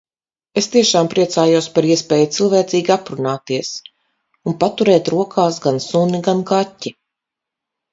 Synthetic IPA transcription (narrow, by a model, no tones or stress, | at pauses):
est̪iɛʃaːmpɾiɛt̪saːjuspaɾiɛspɛːjut̪silˠvɛːt̪siːɡʲiapɾunaːt̪iɛs | unpat̪uɾɛːt̪ɾuɔkʰaːsɡansuniɡankatʲːi